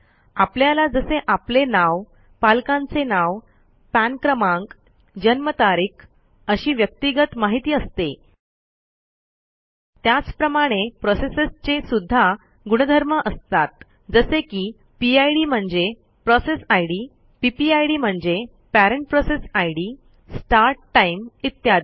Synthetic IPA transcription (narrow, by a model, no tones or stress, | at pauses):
apljalad͡zəseʔaplenaʋ | palkãnt͡senaʋ | pænkɾəmãŋk | d͡ʑənmət̪aɾiːk | əɕiːʋjək̚t̪iɡət̪maɦit̪iːəst̪e | t̪jat͡spɾəmaɽ̃epɾɔsesest͡ɕesud̪ʱːa | ɡuɽ̃əd̪ʱəɾməʔəst̪at̪ | d͡zəsekiː | piajɽiːm̤əɳd͡ze | pɾɔsesajɽiː | pipiajɽiːm̤əɳd͡ze | pæɾəɳʈ̚pɾɔsesajɽiː | sʈaɾʈːaimit̪jad̪i